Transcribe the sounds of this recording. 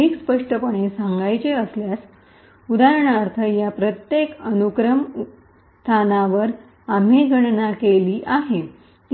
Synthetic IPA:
ikspəʂʈəpəɳ̃esaŋɡajt͡ɕeəsljas | ud̪aɾəɳaɾt̪ʰəjapɾət̪jekənukɾəm | st̪ʰanaʋəɾ | am̤eɡʱəɽnakeliːʔaɦe | t̪

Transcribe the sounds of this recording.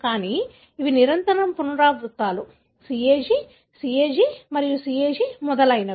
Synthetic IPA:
kaːniː | iʋiniɾɐnt̪ɐɾɐmpunɐɾaːbɾut̪ːaːlu | siːeːd͡ʒi | sieːd͡ʒimɐɾijusiːeːd͡ʒimɔd̪ɐlɐjnɐ

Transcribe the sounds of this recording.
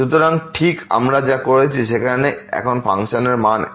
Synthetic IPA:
ʃut̪oɾaŋʈʰika̰mɾad͡ʑakoɾet͡ɕʰiʃekʰaɾneɛ̰kʰonpa̰ŋʃoneɾman

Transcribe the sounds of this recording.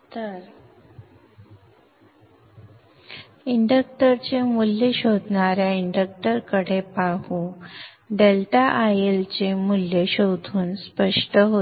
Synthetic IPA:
t̪əɾ | iɳɖək̚ʈəɾt͡ɕemuljəɕod̪ʱɳaɾjaiɳɖək̚ʈəɾkəɽepaɦũ | ɖelʈaʔajelt͡ɕemuljəɕod̪ʱuːnspəʂʈəɦo

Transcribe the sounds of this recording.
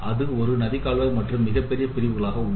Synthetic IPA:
ʔɐðɯɔɾɯnɐðɪkːaːɭʋɐɾmɐʈrɯmːɪɣɐpːɛɾɪjɐpɪɾɪʋɯɣɐɭaːɣɐʊɳ

